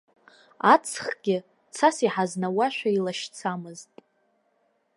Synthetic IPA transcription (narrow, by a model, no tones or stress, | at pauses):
at͡sʰχɡ̥ʲɪ | t͡sʰasiħaznawaʃᶣailaʃt͡sʰamɨztʼ